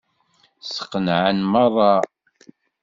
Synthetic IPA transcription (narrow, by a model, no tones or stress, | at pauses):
sə̥qːənʕənmɑrˤːɑ